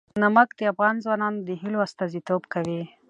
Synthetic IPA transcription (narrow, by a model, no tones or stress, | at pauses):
namakd̪̥əafɣɑnzwɑnɑnod̪əɦiloast̪ɑzit̪obkawi